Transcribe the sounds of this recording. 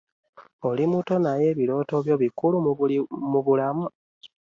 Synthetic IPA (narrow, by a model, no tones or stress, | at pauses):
o̞limuto̞naje̞ːβilo̞ːto̞βjo̞ːβikulumuβulamu